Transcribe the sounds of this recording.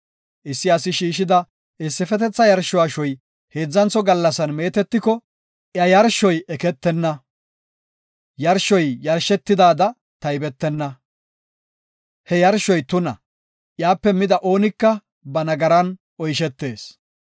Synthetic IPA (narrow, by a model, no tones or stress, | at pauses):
ʔɪsːɪɐsɪʃiːʃɪd̪ɐ | ɪsːɪfɛt̪ɛt͡sːɐjɐɾʃːɔwaːʃɔj | he̞ːd͡zːɐnt͡sːɔɡɐlːɐsɐnme̞ːt̪ɛt̪ːɪkɔ | ʔjɐjɐɾʃːɔjɛkɛt̪ːɛnːɐ | jɐɾʃɔjːɐɾʃɛt̪ːɪd̪aːd̪ɐ | t̪ɐjbɛt̪ːɛnːɐ | hɛjɐɾʃɔjt̪ʊnɐ̰ | ʔjaːpːɛmɪd̪ɐʔo̞ːnɪkːɐ | bɐnɐɡɐɾɐn | ɔjʃɛt̪ːe̞ːs